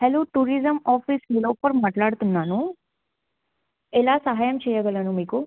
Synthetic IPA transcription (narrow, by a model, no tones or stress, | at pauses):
hɛloːʈuːɾizəmɔːfisɦiloːpəɾmɐʈlaɽt̪unːaːnũ | elasɐɦaːjəmt͡ʃʰejəɡəlanũmiku